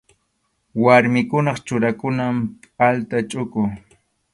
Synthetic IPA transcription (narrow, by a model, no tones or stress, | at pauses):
waɾmɪkʊnɑχt͡ʃʊɾakʊnampʼalt̪at͡ʃʼʊkʊ